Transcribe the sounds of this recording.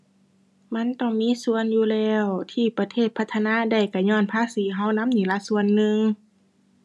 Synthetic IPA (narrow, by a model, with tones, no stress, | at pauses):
ma˧˥˨nt̪ɔ˧˩ŋmiː˧˥˨su˧˨ənjuː˧lɛː˧˩wt̪ʰiː˧˩pa˧t̪ʰeː˧˩t̪̚pʰa˧t̪ʰːa˧naː˧˥˨da˧˩jka˧˩ɲɔː˧˥˩npʰaː˧˥˨siː˨˦ɦa˧˥˨wna˧˥˨mniː˨˩la˧˥su˧˨ənːɯ˧ŋ